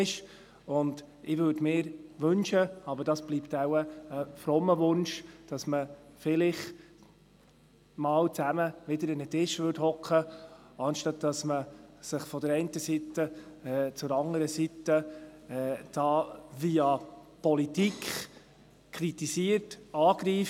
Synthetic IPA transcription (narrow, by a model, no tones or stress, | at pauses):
ɪʃ | ʊnd | ɪʋʏdmɪːɾʋɵnʃəɑbəɾd̥ɑsb̥liptawəːfɾɔmːəʋʊnʃd̥ɑsməfɪlɪχ | mɑːwt͡sæməʋɪdəɾɪnətɪʃʋʏthɔkχəɑnʃtɑt̚d̥ɑsməsɪχfɔdəɾɛɪntəsitːəɛːt͡sʊɾɑŋəɾəsitəɛːd̥ɑːviɑpɔlitikχ | kʰɾitisiəɾtɑːɡɾiːf